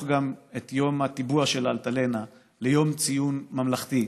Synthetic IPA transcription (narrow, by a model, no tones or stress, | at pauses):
ɡamet̪jo̞mat̪ibuaʃe̞lalt̪ale̞na | lejo̞mt͡sijunmamlaχt̪i